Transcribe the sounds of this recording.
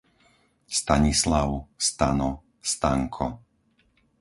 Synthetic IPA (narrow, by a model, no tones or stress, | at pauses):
st̪aɲislaʊst̪anɔ | st̪aŋkʰɔ̰